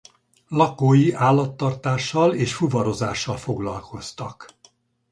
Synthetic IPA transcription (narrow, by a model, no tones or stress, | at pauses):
lɒkoːjiʔaːlːɒt̪ːɒrt̪aːʃːɒleːʃfuvɒɾo̞za̰ːʃːɒlfo̞ɡlɒ̰lkʰo̞st̪ɒk